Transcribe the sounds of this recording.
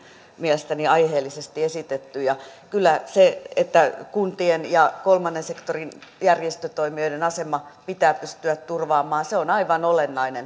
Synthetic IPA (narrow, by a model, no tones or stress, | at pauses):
miɛlest̪æniɑiheːlːisest̪iesit̪et̪ːyjɑkylːæseet̪ːækunt̪ienjɑkolmɑnːensekt̪orinjærjest̪øt̪oimioidenɑsemɑpit̪æːpyst̪yæt̪t̪urʋɑːmɑːseonɑiʋɑnolenːɑinen